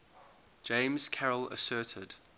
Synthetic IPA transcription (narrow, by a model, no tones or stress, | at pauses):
d͡ʒ̥ẽɪ̃mz̥kʰɛɹələ̰sɜˑtʰɪd̥